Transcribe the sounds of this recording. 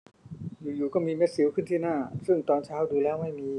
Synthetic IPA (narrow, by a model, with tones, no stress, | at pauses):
juː˨˩juː˨˩kɔː˥˩miː˧me˦˥t̪̚si˨˩˦wkʰɯ˥˩nt̪ʰiː˥˩naː˥˩sɯ˥˩ŋt̪ɔː˧nt͡ɕʰaː˦˥wduː˧lɛː˦˥wma˥˩jmiː˧